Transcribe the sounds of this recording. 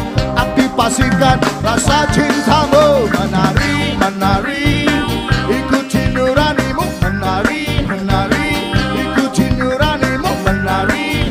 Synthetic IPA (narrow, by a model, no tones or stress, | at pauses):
ʔak̚t̪ipasik̪anɾasat͡ʃʰint̪ʰamomənaɾimənaɾi | ikut͡ʃiɲuɾanimʊŋmənaɾimənaɾi | ikut͡ʃiɲuɾanimʊŋmənaɾi